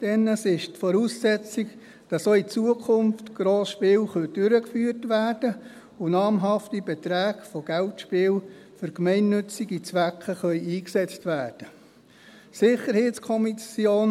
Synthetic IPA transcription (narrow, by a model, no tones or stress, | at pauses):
d̥ɛnːəsɪʃtfɔɾuːsːɛt͡sik | d̥ɑsoːit͡suəkʰʊmftɡ̥ɾoːsʃpɪːlχœd̥ʏɾəkfyːtʋæːrd̥ə | ʊnɑːmɦɑftibɛtɾæːɡfɔɡ̥æltʃpɪːl | fʏɾkmɛɪnːnɵt͡siɡit͡sʋækχəχœʏiːksɛt͡stʋæːrd̥ə | sɪχəɾheːt͡skʰɔmisjoːn